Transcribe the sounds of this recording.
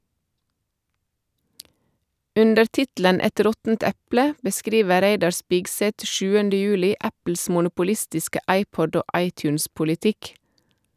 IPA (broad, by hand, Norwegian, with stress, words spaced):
ˈʉndəɾ ˈtɪtl̩ən ˈɛt ˈɾɔtn̩t ˈɛplə bəˈskɾiːʋə ˈɾæɪdɑɾ ˈspɪɡˌsɛt ˈʃʉːəndə ˈjʉːlɪ ˈæpl̩s mʊnʊpʊˈlɪstɪskə ˈɑɪˌpɔd ˈoː ˈʔɑɪˌtjʉːnspʊlɪˌtɪk